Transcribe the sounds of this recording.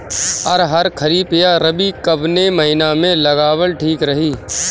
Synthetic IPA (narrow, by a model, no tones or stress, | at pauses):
ɔ̰ɾɦɐɾkʰɐɾiːpijaɾɐbikɐbnemɐɦɪnamẽlɐɡaːwəlʈʰiːkɾɐɦiː